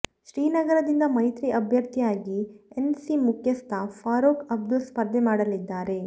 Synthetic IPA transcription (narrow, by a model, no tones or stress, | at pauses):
ʃɾiːnɐɡɐɾɐd̪ind̪ɐmɐjt̪ɾiʔɐbʱjɐɾt̪ʰijaːɡiensimukʰjɐst̪ʰɐpʰaːɾoːkɐb̚d̪uspɐɾd̪ʱjemaːɽɐlid̪ːaːɾe̞